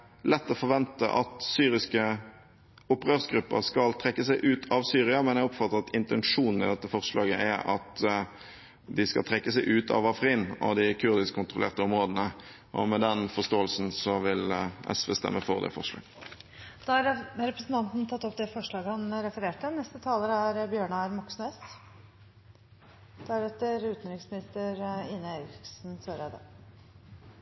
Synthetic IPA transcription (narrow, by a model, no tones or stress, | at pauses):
lɛt̪ːɔːfɔʁʋɛnt̪ə̰ʔɑ̰t̪syːɾɪskə | ʊpːʁøːʁsɡɾʉpːə̰ɾskɑlt̪ʰɾɛkːəsæɪʔʉːt̪ʰɑʋsyːɾɪɑmɛnjæɪɔpfɑt̪ːəʁɑt̪ɪnt̪ɛnʂuːnn̩ɪd̪ɛt̪ːəfɔʁʂlɑːɡəʔæɾɑt̪ | d̪ɪskɑ̰lt̪ʰɾɛkːəsæɪʔʉːt̪ʰɑ̰ʋɑfʁiːnɑ̰d̪ɪkʰʉɾd̪ɪskʰːʊnt̪ʁʊlḛːʁt̪əɔmʁoːd̪ənə | ʔɔ̰mɛd̪ɛnfɔʂt̪oːəlsn̩sɔʋɪlʔɛ̰sʋeːst̪ɛ̰mːəfɔʁd̪ɛ̰fɔʁʂlɑ̰ːɡ̥ | d̪̥ɑːhɑɾɾɛpɾəsnt̪ɑnt̪nt̪ʰɑt̪ːɔpd̪ɛfɔʂɭɑːɡəhɑnɾɛfəɾeːʈənɛst̪ət̪ʰɑːləɾəæɾbjøːɳəɾmɑksneːst̪ | d̪̥æɾɛt̪əɾʉːt̪n̩d̪ɾɪŋsmɪnɪst̪əɾɪnəeɪɾɪɪksnsøːɾeːd̪ə̰